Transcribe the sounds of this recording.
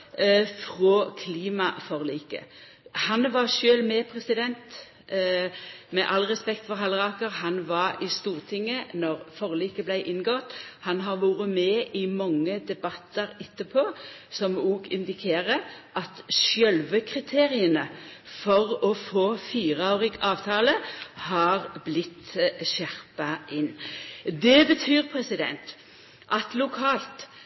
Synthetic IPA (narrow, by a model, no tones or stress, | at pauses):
fʁoːkʰliːmɑfɔʁliːkə̰ | hɑnʋɑʁʃøːlmɛpʰʁɛsɪd̪ɛnt̪ | mɛʔɑlʁɛspɛkt̪fɔʁɦɑlʁɑːkəʁɦɑnʋɑɾɪst̪uːʁt̪ʰɪŋːənɔʁfɔʁliːkəblæɪʔɪnɡɔt̪hɑnɦɑʁʋuːɾəmɛʔɪmɑŋːəd̪ɛbɑt̪ːəɾɛt̪ːəpʰoːsɔmuːɡɪ̰nd̪ɪkʰeːʁəʔɑt̪ʃjœlʋəkʰʁɪt̪ʰeːʁɪənəfɔʁɔfoːfiːʁɑʉʁɪɡɑːʋt̪ʰɑːləhɑːʁblɪt̪ːʃæʁpɑʔɪnːd̪ɛbət̪ʰyːʁpʰʁɛsɪd̪ɛ̰nt̪ | ʔɑt̪lʊkʰɑːlt̪